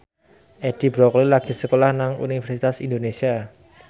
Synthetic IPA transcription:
ʔed̥i̤b̥ɾɔklilaɡ̥i̤səkolahnaŋṵnifɛrsit̪asind̪onesia

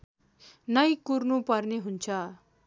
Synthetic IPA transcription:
nʌjkurnupʌrneɦunt͡sʰʌ

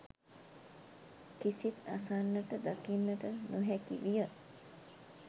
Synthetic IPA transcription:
kisit̪a̰sanːəʈəd̪akinːəʈənuɦɛkḭʋijə

